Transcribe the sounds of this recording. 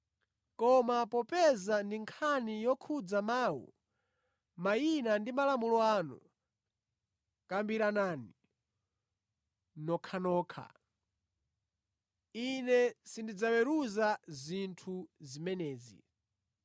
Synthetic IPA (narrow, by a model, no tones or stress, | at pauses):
kɔmapɔpɛzandiŋkʰanijɔkʰud͡zamaːwṵ | majinandimalamulɔaːnṵ | kambiɾanaːni | nɔkʰanɔːkʰa̰ | inɛsindid͡zawɛɾuzazintʰuzimɛnɛːzḭ